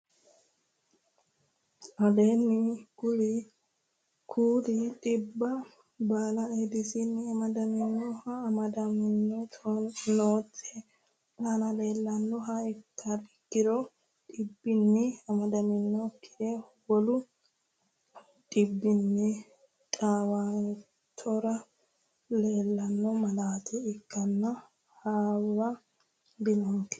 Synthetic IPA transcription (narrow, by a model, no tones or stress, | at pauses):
ʔɐd̪eːnːɪɡʊli | kʰuːɾit̪ʼɪbːɐ | baːlɐed̪ɪsɪnːɪɐmɐd̪ɐmɪnːɔhɐːmɐd̪ɐmɪnːɔt̪ɔnoːt͡sʼːe | ʔɐnɐleːlːɐnːɔɦɐɪkːɐɾɪkːɪɾɔ | ᶑɪbːɪnːɛɐmɐd̪ɐmɪnːɔkːɪɛ | wɔlʊ | ᶑɪbːɪnːɛ | tʼaːwaːn | t̪ʰɔɾɐ | le̞ːlːɐnːɔmɐlaːt̪ɛɪkːɐnːɐ | haːwɐ | d̪ɪnɔŋkɛ̥